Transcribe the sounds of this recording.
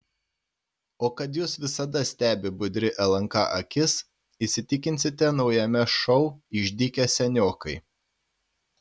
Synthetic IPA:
oːkɐt̪juːsʋʲɪsɐd̪ɐsʲt̪ʲæːbʲɪbʊd̪ʲɾʲɪʔɛlˠɐŋkɑ̰ʔɐkʲɪs | isʲɪt̪ʲɪkʲɪnʲsʲɪt̪ʲɛnɒʊjɛmʲɛʃɔʊɪʒʲd̪ʲɪkʲɛsʲɛnʲoːkɐɪ

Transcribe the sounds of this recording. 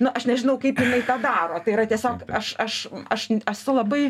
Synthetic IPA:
nʊʔɐʃnʲɛʒʲɪnɐʊkɐɪpjɪnɐɪt̪ɑːd̪ɑːɾoːt̪ɐɪɾɐt̪ʲiɛsʲoːkɐʃɐʃɐʃɛsʊlˠɐbɐɪ

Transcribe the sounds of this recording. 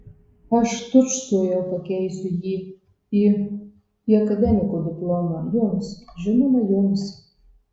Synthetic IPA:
ɐʃt̪ʊt͡ʃsujɛwpɐkʲɛjsʲʊjiː | i | iɐkɐd̪ʲɛmʲɪkʊd̪ʲɪplˠɔmɐjʊmsʒɪnomɐjʊms

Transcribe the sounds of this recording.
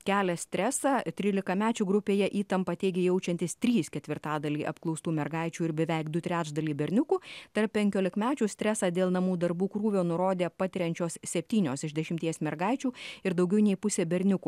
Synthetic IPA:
kʲæːlʲɛsʲt̪ʲɾʲɛsɑːt̪ʲɾʲiːlʲɪkɐmʲæːt͡ʃʲuːɡɾʊpʲeːjɛʔiːt̪ɐmpɐt̪ʲeːɡʲejɛʊt͡ʃʲɛnt̪ʲɪst̪ʲɾʲiːskʲɛt̪ʲʋʲɪɾt̪ɑːd̪ɐlʲiːʔɐpklˠɔʊst̪uːmʲɛɾɡɐɪt͡ʃʲuːɪɾbʲɛʋʲɛɪkd̪ʊt̪ʲɾʲæːt͡ʃd̪ɐlʲiːbʲɛɾʲnʲʊkuːt̪ɐɾpʲpʲɛŋʲkʲoːlʲɪkmʲæːt͡ʃʲuːsʲt̪ʲɾʲɛsɑːd̪ʲeːlˠnɐmuːd̪ɐɾbuːkɾuːʋʲoːnʊɾoːd̪ʲeːpɑːt̪ʲɪɾʲɛnʲt͡ʃʲoːssʲɛpʲt̪ʲiːnʲoːsɪʒd̪ʲɛʃʲɪmʲt̪ʲiɛsmʲɛɾɡɐɪt͡ʃʲuːɪɾd̪ɐʊɡʲɛʊnʲɛɪpʊsʲeːbʲɛɾʲnʲʊkuː

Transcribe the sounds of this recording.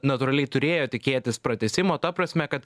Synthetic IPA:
nɐt̪ʊɾɐlʲɛɪt̪ʊɾʲeːjoːt̪ʲɪkʲeːt̪ʲɪspɾɐt̪ʲɛsʲɪmoːt̪ɐpɾɐsʲmʲɛkɐt̪

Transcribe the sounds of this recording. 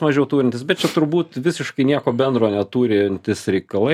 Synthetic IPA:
mɐʒʲɛʊt̪uːɾʲɪnt̪ʲɪsbʲɛt̪̚t͡ʃʲɛt̪ʊɾbuːt̪ʋʲɪsʲɪʃkɐɪnʲiɛkoːbʲɛnd̪ɾoːnʲɛt̪uːɾʲɪnʲt̪ʲɪsɾʲɛɪkɐlˠɐ

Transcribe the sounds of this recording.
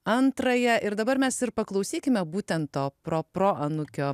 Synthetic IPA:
ɐnt̪ɾɐjɛʔɪɾd̪ɐbɐɾmʲɛsɪɾpɐklˠɐʊsʲiːkʲɪmʲɛbuːt̪ʲɛnt̪t̪oːpɾoːpɾoːʔɐnʊkʲoː

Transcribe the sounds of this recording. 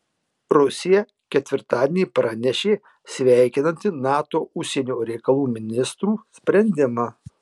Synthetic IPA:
ɾʊsʲɪjɛ | kʲɛt̪ʲʋʲɪɾt̪ɑːd̪ʲenʲiːpɾɑnʲɛʃʲeː | sʲʋʲæˑɪkʲɪnɐnʲt̪ʲɪnɑːt̪oːʊʃʲsʲenʲoːɾʲɛɪkɐlˠuːmʲɪnʲɪst̪ɾuːsʲpʲɾʲɛnʲd̪ʲɪmɐ

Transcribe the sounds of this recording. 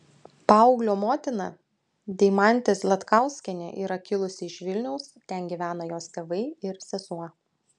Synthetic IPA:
pɑʊɡlʲoːmoːt̪ʲɪnɑ | d̪ʲɛɪmɑˑnʲt̪ʲeːslʲˠɐt̪kɑˑʊsʲkʲɛnʲɛ̰ʔiːɾɐkʲɪlˠʊsʲɪɪʃʋʲɪlʲnʲɛʊst̪ʲɛnʲɡʲiːˑʋʲæːnɐjoːst̪ʲeːʋɐɪɪɾsʲɛsuɔ

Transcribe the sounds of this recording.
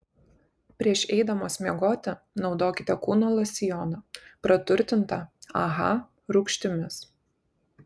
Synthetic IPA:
pʲɾʲiɛʃɛɪd̪ɐmoːsʲmʲiɛɡoːt̪ʲɛ | nɒʊd̪oːkʲɪt̪ʲɛkuːnoːlˠɐsʲɪjɔːnɐpɾɐt̪ʊɾʲt̪ʲɪnt̪ɐɐ̰ɣɐ̰ | ɾʊkʃʲt̪ʲɪmʲɪs

